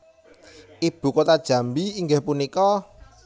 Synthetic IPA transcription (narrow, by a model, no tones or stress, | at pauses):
ʔib̥ṳkot̪ad̥ʒ̥ä̤mbiiŋɡehpunikɔ